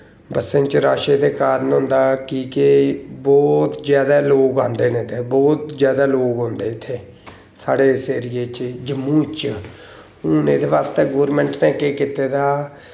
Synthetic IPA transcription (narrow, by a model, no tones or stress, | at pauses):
bəsẽːnt͡ʃɾaːʃeːd̪eːkaːɾnɦʊ̃nd̪aːkiːkɪbɔːt̪zjaːd̪aːloːɡãːnd̪eːnẽːd̪eːbɔːt̪zjaːd̪aːloːɡɦʊ̃nd̪eːɪt̪ʰːeː | saːɽeːseːɾijeːt͡ʃd͡ʒəmːũːt͡ʃ | ʊneːd̪eːʋaːst̪eːɡoːɾmɛ̃ːɳʈnɛ̃ːkeːkɪt̪eːd̪aː